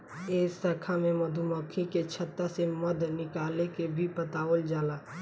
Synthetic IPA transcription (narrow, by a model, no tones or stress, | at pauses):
eːəkʰamẽmɐd̪ʱumɔkʰiket͡ʃʰɐt̪ːasemɐd̪ʱnɪkaːlekebʱipət̪aːold͡ʒaːlaː